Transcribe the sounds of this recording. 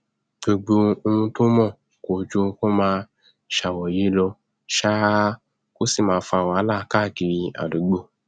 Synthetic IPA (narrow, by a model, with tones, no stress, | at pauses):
ɡ͡bo˧ɡ͡bo˧o˧ũ˧to˦mɔ̃˦˨ | ko˨d͡ʒo˧ko˦mãː˧ | ʃa˨wɔ˨je˨˦lɔ˧ | ʃa˦ | ko˦si˦˨mãː˧fa˧˨wa˨˧˦laː˦˨˦ka˦˨ki˨ɾi˧a̰˨do˨˦ɡ͡bo˦